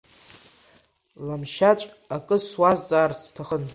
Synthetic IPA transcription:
lamʃat͡ʃʷʼ | akʼɨswazd͡zʼaːrt͡sʰtʰaχən

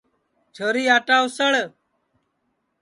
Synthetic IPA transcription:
t͡ʃʰəɾiːaːʈaːwsəɭ

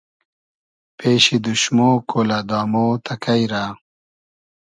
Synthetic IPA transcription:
peːɕid̪uɕmoːkʰoːlad̪aːmoːt̪ʰɐkɐijɾaː

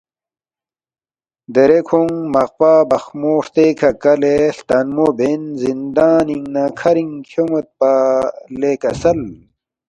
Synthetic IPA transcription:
d̪eɾekʰoŋmɐqpaːbɐxmoːʂt̪ekʰɐkɐleɬt̪ɐnmobenzind̪aːniŋnakʰɐɾiŋkʰjomɐt̪̚palekɐsɐl

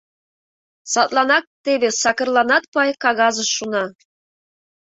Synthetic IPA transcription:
sɑt̪lˠɑnɑk̚t̪eβesɑkə̆rlˠɑnɑt̪̚pɑjkɑɣɑzəʃːunɑ

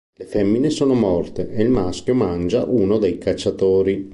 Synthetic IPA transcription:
lefɛmːinesoːnomɔrt̪eʔeilmask̟jomand͡ʒa̰ʔuːnod̪ejkat͡ʃːat̪oːɾi

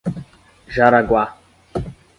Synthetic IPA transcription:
ʒaɾaɡwa

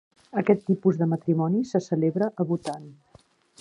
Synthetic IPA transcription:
əkɛt̪ːipuzðəmət̪ɾimɔnisəsəleβɾəʔəβut̪an

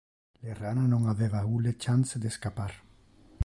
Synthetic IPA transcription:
lerananõŋaβeβaulet͡ʃanzd̪eskapaɾ

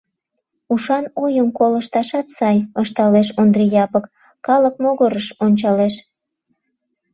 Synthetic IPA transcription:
uʃɑnojəmkoləʃt̪ɑʃɑt̪sɑjəʃt̪ɑleʃond̪rijɑpəkː | ɑlək̚moɣəɾəʃonʲt͡ɕɑleʃ

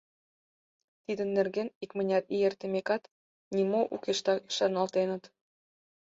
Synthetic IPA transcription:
t̪id̪ə̆nːerɣenikmə̆nʲɑt̪ijert̪ə̆mekɑt̪ | nʲimoʔṵkeʃt̪ɑi̥ʃɑnɑlt̪enə̆t̪

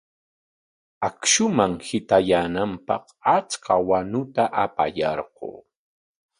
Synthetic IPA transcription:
akʃʊmaŋhɪt̪ajaːnampɑ̰q | at͡skawanʊt̪aʔapa̰jɑɾɢo̰ː

